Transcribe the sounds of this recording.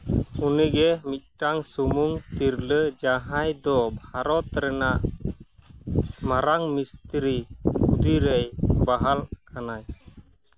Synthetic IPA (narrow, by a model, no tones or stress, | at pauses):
uniɡɛmit̪̚ˀʈaŋsumuŋt̪iɾləd͡ʒaɦajd̪ɔbʱaɾɔt̪ɾɛnaʔ | maɾaŋmist̪ɾiud̪iɾɛjbaɦalkʰanaj